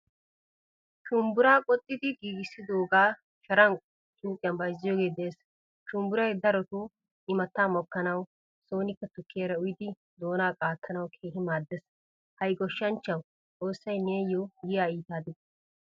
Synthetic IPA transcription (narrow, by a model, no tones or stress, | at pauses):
ʃʊmbʊɾaːkʼɔt̪ʼːɪd̪ɪɡiːɡɪsːɪd̪o̞ːɡaː | ʃɐɾɐnʼ | t͡ʃʼuːkʼɪjɐnbɐjzɪjoːɡe̞ːd̪eːs | ʃʊmbʊɾɐjd̪ɐɾɔt̪ʊ | ɪmɐt̪ːaːmɔkːɐnɐw | so̞ːnɪkːɐt̪ʊkːɪjɐɾɐʊjɪd̪ɪ | d̪o̞ːnaːkʼaːt̪ʰːɐnɐwkʰeːhɪmaːd̪ːɛs | hɐjɡɔʃːɐnt͡ʃːɐw | t͡sʼo̞ːsːɐjneːjoɡɪjaːiːt̪aːd̪ɪd̪